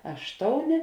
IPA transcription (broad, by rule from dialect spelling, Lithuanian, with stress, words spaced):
ˈɑːʃtoːʊˌnʲeː